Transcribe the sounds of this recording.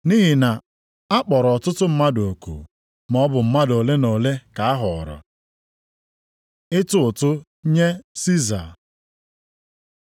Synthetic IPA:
ni˦ɦi˨na˨ | a˦k͡pɔ˨ɾɔ˨tʊ˦tʊ˦m̩˦ma˦do˨kṵ˨ | m˨ɔ˦bʊ˨m̩˦ma˦do˨le˦no˨le˦ka˨a˦ɦɔ˨ɾɔ̰˨ | ɪ˦tʊ˦ʊ˨tʊ˦ | ɲe˦si˦za̰˨

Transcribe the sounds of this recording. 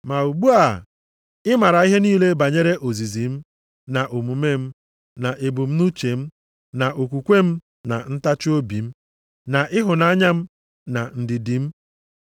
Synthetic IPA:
ma˨u˨ɡ͡bu˦a˨ | ɪ˦ma˨ɾa˨i˦ɦe˦niː˦le˦ba˨ɲe˦ɾe˦ʔo˨zi˨zi˨m̩˦ | na˨ʔo˨mu˨me˦m̩˦ | na˨ʔɪ˨bu˨m̩˦nu˦t͡ʃe˨m̩˦ | na˨ʔo˨kʷu˨kʷe˦m̩˦ | na˨n̩˦ta˦t͡ʃo˦bi˨m̩˦ | na˨ʔɪ˦ɦʊ˨na˦ɲa˦m̩˦ | na̰˨n̩˨dɪ˨di˨m̩˦

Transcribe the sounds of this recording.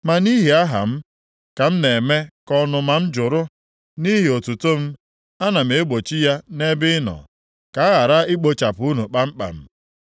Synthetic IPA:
ma˨ni˦ɦi˨a˦ɦa̰˨m̩˦ | ka˨m̩˦ne˨me˦kɔ˦nʊ˨ma˨m̩˦d͡ʒʊ˨ɾʊ˦ | ni˦ɦi˨o˨tu˨to˦m̩˦ | a˦na˨m̩˨e˦ɡ͡bo˨t͡ʃi˦ja˦ne˦bɪ˦nɔ̰˨ | ka˨a˦ɣa˨ɾa˦ɪ˦k͡po˨t͡ʃa˨pʊ˨u˦nu˨k͡pa˦m̩˦k͡pa̰˨m̩˦

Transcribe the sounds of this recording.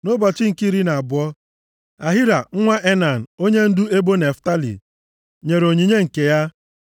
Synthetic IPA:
no˦ba˨t͡ʃɪ˦ŋ̩˨ki˦ɾi˦na˨a˨bʊ˨ɔ˦ | a˨ɦi˦ɾa˨ŋ̩˦ŋʷa˦ʔe˦na˨n̩˨o˦ɲe˦n̩˦du˦e˦bo˦ne˨fta˦lḭ˨ | ɲe˨ɾo˨ɲi˨ɲe˦ŋ̩˨ke˨ja˦

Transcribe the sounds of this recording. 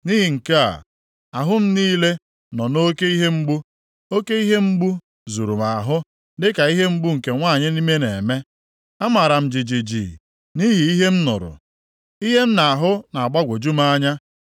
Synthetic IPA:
niː˦ɦi˨ŋ̩˨ke˦a̰˨ | a˨ɦʊ˦m̩˦niː˦le˦ | nɔ˨no˦ke˦i˦ɦe˦ŋ͡m̩˦ɡ͡bu˦ | o˦ke˦i˦ɦe˦m̩˦ɡ͡bu˦ | zu˨ɾu˨ma˨ɦʊ˦ | dɪ˦ka˨i˦ɦe˦m̩˦ɡ͡bu˦ŋ̩˨ke˨ŋʷaː˦˨ɲɪ˦ni˦me˦ne˨me˦ | a˦ma˨ɾa˨m̩˨d͡ʒi˨d͡ʒi˨d͡ʒḭ˨ | ni˦ɦi˨i˦ɦe˦m̩˦nʊ̰˨ɾʊ̰˨ | i˦ɦe˦m̩˦na˨a˨ɦʊ˦na˨a˨ɡ͡ba˦ɡʷo˨d͡ʒu˦ma˦ɲa˦

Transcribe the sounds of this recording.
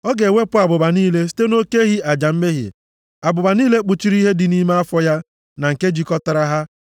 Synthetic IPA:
ɔ˦ɡe˨wʷe˦pʊ˦a˨bʊ˨ba˨niː˦le˦s̬i̥˦te˦no˦ke˦ɦi˦ʔa˨d͡ʒa˨m̩˦me˦ɦɪ̰˨ | a˨bʊ˨ba˨niː˦le˦k͡pu˨t͡ʃi˦ɾi˦ɦe˦dɪ˨ni˦me˦a˦fɔ˦ja˦ | na˨ŋ̩˨ke˦d͡ʒi˦kɔ˦ta˨ɾa˦ɦa˦

